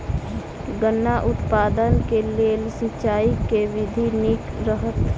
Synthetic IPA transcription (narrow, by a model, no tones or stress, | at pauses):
ɡənːaʔʊt̪paːd̪ənkeleːlsit͡ʃaːikeʋɪd̪ʱinɪkɾəɦət̪